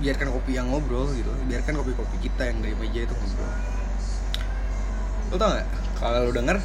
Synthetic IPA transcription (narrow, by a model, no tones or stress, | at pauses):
biarkankopijaŋlobɾolɡit̪ubiarkankopikopikit̪ajaŋdaiməd͡ʒait̪ukubɾo̰ | olt̪aŋaʔ | kalodəŋər